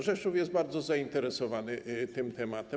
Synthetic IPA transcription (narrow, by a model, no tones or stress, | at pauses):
ʐɛʂufjɛsd̪̚baɾd̪zɔzaint̪ɛɾɛsɔvanɘt̪ɘmt̪ɛmat̪ɛ